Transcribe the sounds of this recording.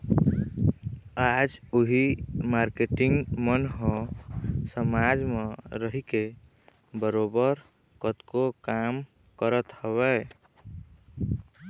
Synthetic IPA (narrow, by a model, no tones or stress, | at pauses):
ad͡ʒuɦimaɾkeʈiŋɡmənɦɔ̃ | səmad͡ʒmeɾəɦike | bəɾobəɾ | kət̪kokam | kəɾət̪həβɛ